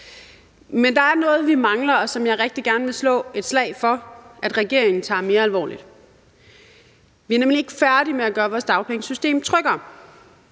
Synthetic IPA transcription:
mend̥ɑ̈æɐnɔ̽ːð̞̩ˠʋimɑ̈ŋlɐɒ̽sɒ̽mjɑ̈ɪʁɛɡ̥̚d̥iɡ̥æɐnəʋe̝slɔ̰̽ːe̝d̥slɛ̰ɪfɒ̽ʔæd̥ʁɛɡ̥e̝ɐ̰eŋn̩t͡sʰɑ̰̈me̝ːɐælʋɒ̰ːlid̥ | ʋiɐnemlie̝ɡ̥əfæɐd̥imeæɡ̥ɶːɐʋɒːsd̥ɑ̈ʊpʰeŋəsysd̥e̝̰ːmt͡sʰʁœɡ̥ɐ

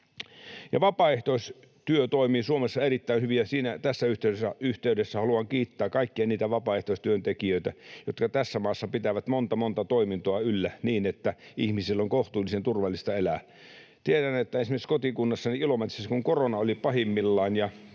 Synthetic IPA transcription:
jɑʋɑpɑeht̪ois | t̪yøt̪oimiːsuomesːɑerit̪ːæinhyʋiɑsiːnæt̪æsːæyht̪eˑyesːæyht̪eydesːæhɑluɑŋkiːt̪ːæːkɑikːiɑniːt̪æʋɑpɑeht̪oˑist̪yønt̪ekiøit̪æjot̪kɑt̪æsːæmɑːsːɑpit̪æʋæt̪mont̪ɑmont̪ɑt̪oimint̪oɑylːæniːnet̪ːæihmisilːoŋkoht̪uːlːisent̪urʋɑlːist̪ɑelæː | t̪ieɾænet̪ːæensimesiskot̪ikunːɑsːɑniilomet̪ːˑiseskuŋkoronɑolipɑhimːilːɑːnjɑ

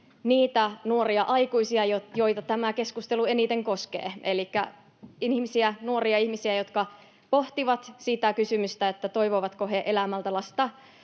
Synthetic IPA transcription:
niːt̪ænuoriɑʔɑikuisiɑjojo̞it̪ɑt̪æmæke̞skust̪elue̞nit̪eŋkoskḛːelikːæ | ihmisiænuoriɑihmisiæjot̪kɑ | poht̪iʋɑt̪sit̪ækysymyst̪æet̪ːæt̪o̞ijʋoʋɑt̪koɦeʔelæmælt̪ælɑst̪ɑ

